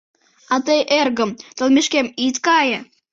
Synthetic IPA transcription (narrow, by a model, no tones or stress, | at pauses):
ɑt̪əjʔerɣəmt̪ə̆lmeʃkemit̪kɑjə